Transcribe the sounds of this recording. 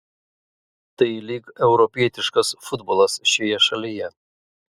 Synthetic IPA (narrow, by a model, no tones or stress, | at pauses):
t̪ɐɪlʲiːkɛʊɾɔpʲiɛt̪ʲɪʃkɐsfʊd̪bɔlˠɐsʃʲojɛʃɐlʲɪjɛ